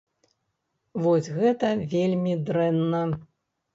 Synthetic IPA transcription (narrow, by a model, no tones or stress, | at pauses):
vɔsʲɣɛt̪ɐvʲelʲmʲid̪ɾɛnːɐ